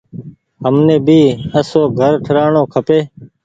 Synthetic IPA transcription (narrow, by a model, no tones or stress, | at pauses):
ɦəmnẽːbiːəsoːɡʱəɾʈʰəɾaːɳoːkʰəpeː